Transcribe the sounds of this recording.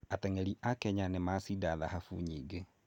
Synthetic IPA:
atɛŋɛɾiʔakɛɲanɛmasidaðaɦafuɲiɡe

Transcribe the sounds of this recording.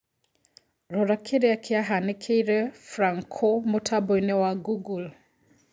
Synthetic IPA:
ɾɔɾakʰeɾeakʰeaɦanɪkʰeiɾɛfɾaŋkʰomotʰabɔinɛwaɡuɡul

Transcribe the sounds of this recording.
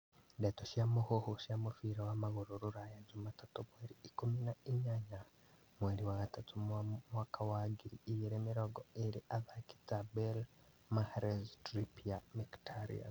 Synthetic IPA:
detoʃjamuhohuʃjamufiɾawamaɣuɾuɾuɾajazumatatumweɾiːkuminaiɲaɲa | mweɾiwaɣatʰatumwamwakʰawaɡiɾiːjiɾeːmiɾoɡoeɾiʔaðaki̥t͡sabel | mahɾeztɾipijamiktʰaɾḭa̰

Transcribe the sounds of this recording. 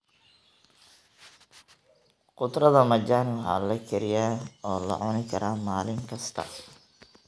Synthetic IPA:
qʊd̪rɐðɐmɐd͡ʒaːnɪwɑħɑ̰ːlɐkʰɛɾɪjaːɔːlɐ̰ʕʊnɪkʰɐɾaːmaːlɪŋkʰɐst̪ʰɐ̰

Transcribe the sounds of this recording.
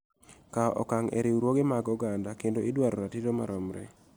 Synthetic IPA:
kaʔɔ̰kaŋɛ̰ɾɪwɾwoɡemaɡɔɡandakendoɪdwaɾɔɾatidoma̰ɾɔmɾɛ̰

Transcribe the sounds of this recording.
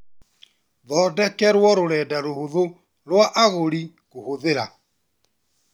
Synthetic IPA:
ðɔːdɛkɛɾwɔɾoɾɛdaɾohoðo | ɾwaʔaɣoɾi | ɣohoðeɾa

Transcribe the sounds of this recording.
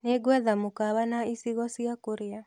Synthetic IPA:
neɡwɛðamokaβanaisiɣɔsiakoɾea

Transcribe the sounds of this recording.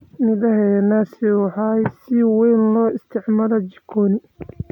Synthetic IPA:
mɪðɐɦɛnasɪħajsɪwɛjnlɔːɪst̪ʰɪʕmaːlɐt͡ʃɪ̥kʰɔːnɪ

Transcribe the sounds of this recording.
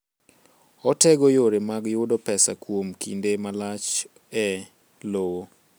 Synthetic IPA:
ɔtɛɡojoɾemaɡjʊdɔpɛsa̰kwomkʰḭndemalat͡ʃ | ɛ | lowo

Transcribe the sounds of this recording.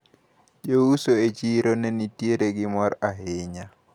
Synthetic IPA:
ʄousoet͡ʃiɾonenitieɾeɡimɔɾaɦeɲa

